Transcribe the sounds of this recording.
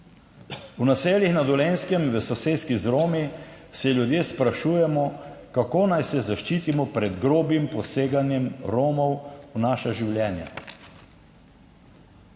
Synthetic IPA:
unaseːlixnad̪ɔleːnskɛmʋəsɔseːskizɾoːmi | sɛljud̪jeːspɾaʃuːjɛmɔkakoːnajsɛzaʃt͡ʃiːt̪imɔpɾɛd̪ɡɾoːbimpɔseːɡanjɛmɾoːmɔwunaːʃaʒiwljɛːnja̰

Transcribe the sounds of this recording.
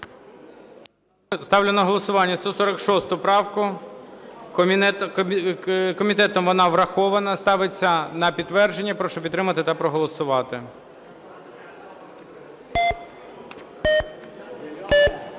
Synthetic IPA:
st̪ɑwlʲenɐɦɔlˠɔsʊʋɑnʲːɐst̪ɔsɔɾɐkʃɔst̪ʊpɾɑwkʊ | kɔmʲit̪ɛt̪ɔmʋɔnɑʋɾɐxɔʋɐnɐst̪ɑʋet͡sʲːɐnɐpʲid̪t̪ːʋɛrd͡ʒenʲːɐpɾɔʃɔpʲdt̪ːɾɪmɐt̪ɪt̪ɑpɾɔɦɔlˠɔsʊʋɑt̪ɪ

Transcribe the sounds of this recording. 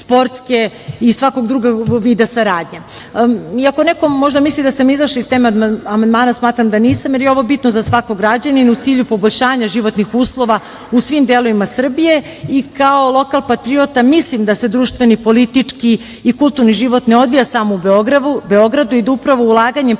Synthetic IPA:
spo̞ɾt̪ske | isʋako̞ɡd̪ɾuɡaɡʋiːd̪asaɾaːd̪ɲe | iako̞neko̞mo̞ʒd̪amislˠid̪asamizaʃaist̪emeamand̪maːnasmaːt̪ɾamd̪aniːsamjeɾjeo̞ʋo̞bit̪nozasʋako̞ɡɾad͡ʑaninut̪siːʎupo̞boʎʲʃaːɲaʒiʋo̞t̪nixuːslˠo̞ʋa | usʋimd̪elˠo̞ʋimasr̩bije̞ | ikaolˠo̞kalˠpat̪ɾiot̪amislˠimd̪ase̞d̪ɾuːʃt̪ʋe̞nipo̞lit̪it͡ʂkiː | kulˠt̪uɾniʒiʋo̞t̪neo̞d̪ʋijasaːmoube̞o̞ɡɾad̪ube̞o̞ɡɾad̪uid̪aupɾaʋo̞ulˠaːɡaɲe

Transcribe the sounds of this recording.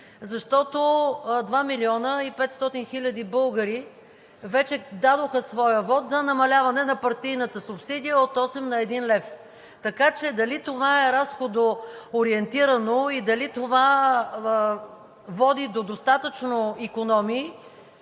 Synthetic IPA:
zɐʃt̪ɔt̪od̪vamiliɔnəipɛt̪st̪ɔt̪inxilʲəd̪ibɤlˠɡəɾi | vɛt͡ʃɛd̪ad̪oxəsvɔjəvɔt̪zɐnɐmɐlʲavɐnɛnɐpɐɾt̪ijnət̪əsʊpsid̪ijəot̪ɔsɛmnɐɛd̪inlɛf | t̪ɐkat͡ʃɛd̪ɐlit̪ovaɛɾasxod̪oːɾiɛnt̪iɾɐnoid̪ɐlit̪ova | vɔd̪id̪od̪ost̪at̪ət͡ʃnoikonɔmiː

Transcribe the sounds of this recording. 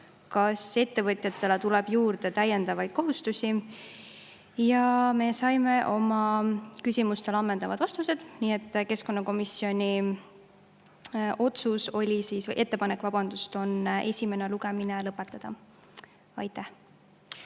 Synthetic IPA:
kɑse̞t̪ːe̞vɤt̪ʲˑjɑt̪ːe̞let̪ulɛb̥juːɾd̪e̞t̪æje̞nd̪ɑvɑjd̪̥̚ko̞ɦust̪usʲi | jɑme̞sɑjme̞ʔo̞mɑkysʲimust̪e̞lɑmːe̞nd̪̥ɑvɑd̪̥vɑst̪use̞d̪̥niːe̞t̪ːke̞sko̞nːɑko̞misːio̞nʲi | ʔo̞t̪suso̞lʲisisv̰jʔe̞t̪ːe̞pɑnekːvɑb̥ɑnd̪ust̪o̞ne̞sʲime̞neluɡ̥e̞minelɤpːˑe̞t̪ːˑɑd̪̥ɑ | ɑjt̪æh

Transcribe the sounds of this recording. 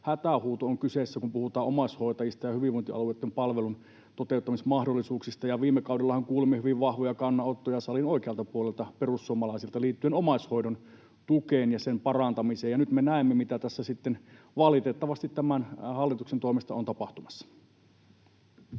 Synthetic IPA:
hæt̪æhuːt̪ooŋkysesːækumpuhut̪ɑːʔʔomɑshoˑit̪ɑjist̪ɑjɑhyʋiʋont̪iɑ̰lueːˑt̪ːempɑlʋelun | t̪ot̪eut̪ːɑmismɑhdolːisuːksist̪ɑjɑʋiːmːekɑˑudelːɑhɑŋkuːlimːehyʋiʋʋɑhʋojɑkɑnːɑot̪ːojɑsɑlinoikeɑlt̪ɑpuolelt̪ɑperusːuomɑlɑˑisilt̪ɑliːt̪ːyenomɑshoidon | t̪ukeːnjɑsempɑrɑnt̪ɑmiseːjɑnyt̪menæˑemːemit̪æt̪æsːæsit̪ːen | ʋɑlit̪et̪ːɑʋɑst̪it̪t̪æmænhɑlːit̪uksent̪oimist̪ɑ̰ont̪ɑpɑht̪umɑsːɑ̥

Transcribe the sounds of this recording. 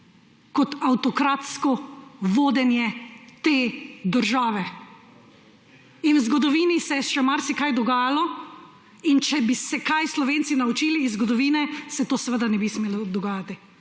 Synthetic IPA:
kɔt̪awt̪ɔkɾat̪skɔʋoːd̪ɛnjɛt̪eːd̪əɾʒaːʋɛ | inwzɡɔd̪ɔʋiːnisɛʃɛmaɾsɛkajd̪ɔɡaːjalɔ | int͡ʃɛbisɛkajslɔʋeːnt̪sinaut͡ʃiːliːzzɡɔd̪ɔʋiːnɛsɛt̪oːsʋəd̪anɛbismeːlɔd̪ɔɡaːjat̪i

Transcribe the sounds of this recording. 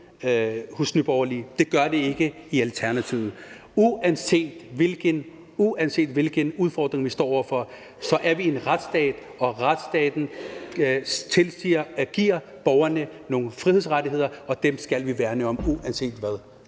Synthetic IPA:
husnyb̥ɒʊɐliːd̥e̝ɡ̥ɶɐd̥e̝e̝ɡ̥əiælt͡sʰæɐnæt͡sʰiʊð̩ˠ | uænse̝̰ːd̥ʋelɡ̥ən | uænse̝̰ːd̥ʋe̝lɡ̥ənuð̞ˠfɒːd̥ʁeŋʋisd̥ɒ̰ːɒ̰ʊɐfɒ̽ | sɒ̽ʔæɐʋie̝nʁad̥sd̥ɛ̰ːd̥ | ɒ̽ʁad̥sd̥ɛ̰ːd̥n̩ | t͡sʰe̝lsiɐɡ̥iɐ̰ | b̥ɒʊɐnəno̝ːnfʁihe̝sʁɑdiɦe̝ð̞̰ˠɐɒ̽d̥emsɡ̥ælʋiʋæːɐnəɒ̽muʔænse̝̰ːd̥ʋæðˠ

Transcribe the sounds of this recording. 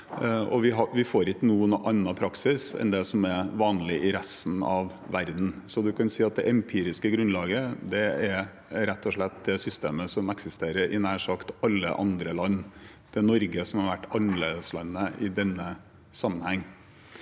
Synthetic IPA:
ɔʋɪɦɑʋɪfoːɾɪkənuːənʔɑnːɑpʰɾɑksɪsɛ̰nd̪ɛsɔmɛʋɑːnlɪʔɪɾæst̪n̩ɑʋ | ʋæɾd̪n̩sɔd̪ʉkʰɑnsiːɑt̪̚d̪ɛ̰ʔɛmpʰiːɾɪskəɡɾʉnlɑːɡəd̪ɛæɾ | ɾɛt̪ʰːɔʂɭɛt̪̚d̪ɛsʏst̪eːməsɔmɛksɪst̪eːɾəɾʔɪ̰næːʂɑkt̪ɑlːə̰ʔɑnd̪ɾəlɑnː | d̪̥ɛnɔɾɡəsɔmhɑɾʋæʈːɑnəɭḛːd̪əslɑnːəʔɪd̪ɛnːə | sɑmːənhɛŋː

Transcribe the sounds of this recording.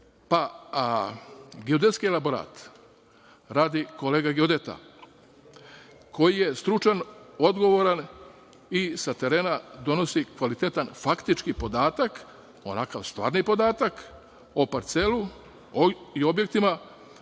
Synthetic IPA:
pa | ɡeod̪et̪skielaboɾa̰ːt̪ | ɾaːd̪iko̞leːɡaɡeod̪et̪a̰ | ko̞jije̞st̪ɾut͡ʃanod̪ɡo̞ʋo̞ɾan | isat̪e̞ɾe̞ːnad̪o̞no̞sikʋalit̪et̪anfakt̪it͡ʃkipo̞d̪aːt̪ak | o̞̰nakaʋst̪ʋa̰ːɾnipo̞d̪aːt̪ak | opaɾt̪se̞lu | io̞bje̞k̚t̪ima

